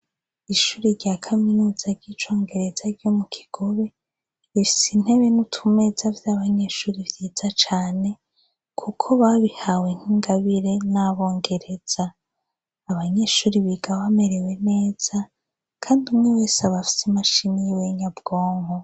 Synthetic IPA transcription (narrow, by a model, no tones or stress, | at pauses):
iʃuːɾiɾɟakʰaminuːz̥aɾɟit͡ʃo̞ːŋɡe̞ɾe̞zaɾɟo̞mukʰi̥ɡ̥o̞βe̞ | βifi̥sin̥he̞βenutʰume̞zavjaːβaɲe̞ʃuːɾivjezat͡ʃaːne̞ | kʰukʰo̞βaβihaweŋ̥hiŋɡaβiɾe̞naβo̞ːŋɡe̞ɾe̞d͡z̥aː | βaɲe̞ʃuːɾiβiɡawame̞ɾe̞we̞ne̞ːz̥a | kʰaːndiumŋwewesaβafi̥simaʃinijiweɲab̚ɡ̥o̞ːŋho